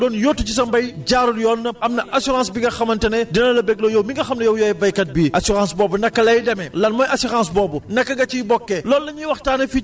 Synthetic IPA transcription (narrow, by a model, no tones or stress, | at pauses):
dɔːnjotːucis̬ɐmbɐjɟaːɾuljɔnːɐɐmnɐʔasuɾãːnsbiɡɐxɐmɐntɐnɛdinɐlɐbɛɡ̚lɔjɔwmiŋɡɐxɐmnɐjɐwjɔjɛvɐjkɐt̚biʔɐsuɾãːnsbɔːbundɐkːɐlɐjdɐmɛlɐnmɔjʔɐsiɾãnsbɔːbunɐkːɐɡɐt͡ʃibɔkːɛlɔːlːɐɲiwɐxtaːnɐfi